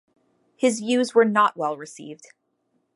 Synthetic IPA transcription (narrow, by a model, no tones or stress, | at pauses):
hɪzjʉzwə˞nəʔwɛlˠɹɨsḭvd̥